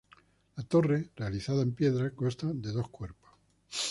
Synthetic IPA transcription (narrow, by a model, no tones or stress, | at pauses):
lat̪o̞rere̞aliθaðae̞mpje̞ðɾakost̪ad̪e̞ðo̞hkwe̞ɾpo̥s